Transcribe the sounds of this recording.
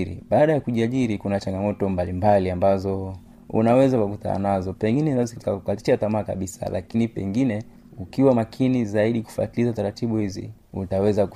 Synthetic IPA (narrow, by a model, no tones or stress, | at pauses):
ɾḭɓaːɗajakuʄiaʄiɾikunat͡ʃaŋɡamɔtɔmbalimbaliambazɔ | ṵnawɛzakwakuta̰a̰nazɔpɛŋɡinɛnazitikakukaliatamaːka̰ɓisa̰la̰kinipɛŋɡinɛ | ukiwamakʰinizaiɗiku̥fua̰tilizataɾatiɓuhizḭ | ṵtawɛzaku